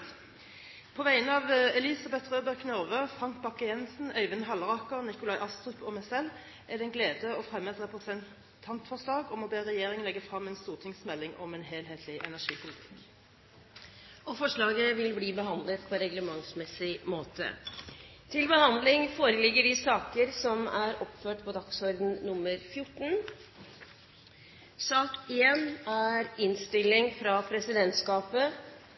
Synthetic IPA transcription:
pʰɔːʋæɪənɑːʋɛlɪsɑbɛt̪ʁøːbəʁkʰnøʁʋøːfʁɑŋk̚bɑkːəjɛnsn̩œʏʋənɦɑlʁɑːkəʁnɪkʊlɑɪʔɑst̪ʁʏpɔmɛsɛl | ʔæd̪ɛnɡleːd̪əɔfʁɛmːət̪ʁɛpʁəsɛn | t̪ʰɑnt̪fɔʁʂlɑːɡɔmɔbeːʁɛjeːʁɪŋənɛɡəfʁɑmːɛːnst̪uːʁt̪ʰɪŋsmɛlːɪŋɔ̰mɛnɦeːlɦeːt̪ʰlɪʔɛ̰næʂiːpʰʊlɪt̪ʰɪ̥k | ʔɔfɔʂɭɑːɡəʋɪlbliːbəɦɑnd̪lət̪pʰɔɾɛɡləmɑŋsmɛsɪmoːt̪ʰə̰ | t̪ʰɪlbəhɑnd̪lɪŋfoːɾəlɪɡːəɖɪsɑːkəɾsɔmæɾɔpføːʈpʰɔd̪ɑksɔɾd̪n̩nʊmːəɾfjʊʈːn̩ | sɑːkɪjɛnæɾɪnst̪ɪlːɪŋfɾɑpʰɾɛsɪd̪ɛnt̪skɑːpə

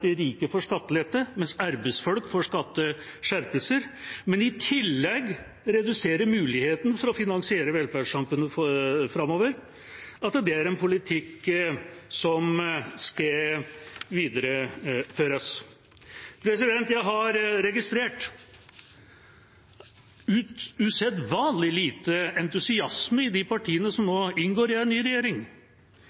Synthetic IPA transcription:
d̪ɛæɾiːkəfɔʂkɑt̪ːəlɛt̪ːəmɛnsɑɾbəsfɔlkfɔʂkɑt̪ːə | ʂæɾpəlsəɾmɛnɪt̪ʰɪlːɛɡ | ɾɛd̪ʉseːɾəɾmʉːlɪheːt̪n̩fɔɾɔfɪnɑŋsɪeːɾəʋɛlfæɑmfʉnːəfɾɑmoːʋəɾ | ʔɑt̪d̪ɛæɾɛnpʰʊlɪt̪ʰɪkː | sɔmskɑ | ʋiːd̪əɾəføːɾəs | pʰɾɛsɪd̪ɛnt̪jæɪɦɑɾɾɛɡɪst̪ɾeːʈ | ʉːt̪ʉːsɛd̪ʋɑːnlɪliːt̪əɛnt̪ʉsɪɑsməɪd̪ɪpɑʈʰiːənəsɔmnoːɪnɡoːɾɪɛnːyːɾɛjeːɾɪŋ

